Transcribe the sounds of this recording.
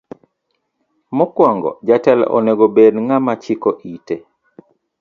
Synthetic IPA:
mɔkwaŋɡɔ̰d͡ʒatɛlɔ̰neɡobedŋamat͡ʃikɔʔite

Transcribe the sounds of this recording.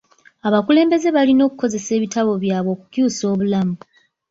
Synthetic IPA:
aβakule̞ːmbe̞ze̞βalino̞ːkuko̞ze̞se̞ːβitaβo̞βjaːβo̞kucjuːso̞ːβulamu

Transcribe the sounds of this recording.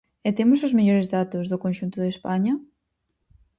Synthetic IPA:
ɪt̪emʊsʊzmeʎoɾezðat̪ʊzðʊkõnʲʃunt̪ʊðespaɲɐ

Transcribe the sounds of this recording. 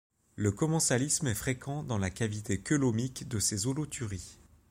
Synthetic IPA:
ləkɔmɑ̃salismɛfχekʰɑ̃d̪ɑ̃lakʲavit̪ʰekʲɔlɔmikd̪əsezolot̪ʰyʁi

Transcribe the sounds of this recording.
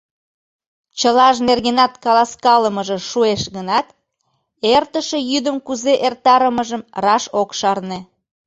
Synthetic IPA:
t͡ɕəlɑʒnerɣenɑt̪kɑlɑskɑləməʒĕʃueʃɣənɑt̪ | ert̪əʃejyd̪əmkuzeʔert̪ɑɾəməʒəmrɑʃokʃɑrne

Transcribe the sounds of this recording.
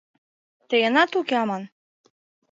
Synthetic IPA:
t̪əjə̆nɑt̪ukeɑmɑn

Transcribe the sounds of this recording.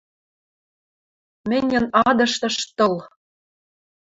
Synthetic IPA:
mɘ̆nʲɘ̆nɑd̪ɤ̆ʃt̪ɤ̆ʃt̪ɤ̆l

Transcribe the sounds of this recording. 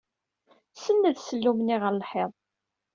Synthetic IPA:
sənːəðsəlːumniʁəɾlħeðˤ

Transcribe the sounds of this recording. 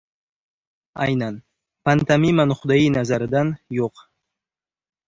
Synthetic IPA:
a̰jnɑn | pant̪amimanχʊd̪ɑjinazaɾɪd̪anjoq

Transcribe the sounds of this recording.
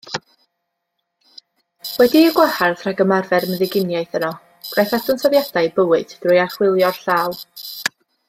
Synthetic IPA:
wɛdiəɡwɛharðraɡəmarvɛrməðɪɡɪnjajθənɔ | ɡ̥rajθatɔnsɔðjad̥ajbəwɨd̥drʊjaχwɪlˠjɔrɬaːlˠ

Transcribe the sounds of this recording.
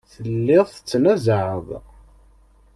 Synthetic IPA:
θəllːɪðˤət͡sːnæzʕəðˤ

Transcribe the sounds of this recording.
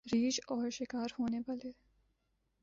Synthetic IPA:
ɾiːd͡ʒɔːɾʃɪkaːɾhoːneʋaːleː

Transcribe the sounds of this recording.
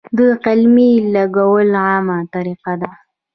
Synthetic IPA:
d̪əqɪlmilaɡawəlʕɑmat̪aɾiqad̪a

